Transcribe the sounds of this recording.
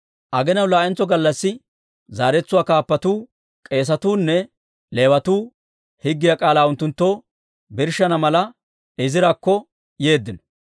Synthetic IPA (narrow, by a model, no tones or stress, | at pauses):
ʔɐɡɛnɐwlaːʔɛnt͡sːɔɡɐlːɐsːɪ | zaːɾɛt͡sːʊwaːkaːpːɐt̪uː | kʼe̞ːs̬ɐt̪uːnːɛ | le̞ːwɐt̪uː | hɪɡːɪjakʼaːlaːʊnt̪ːʊnt̪ːoː | bɪɾʃɐnɐmɐlɐ | ɪzɪɾakːɔ | je̞ːd̪ːɪnɔ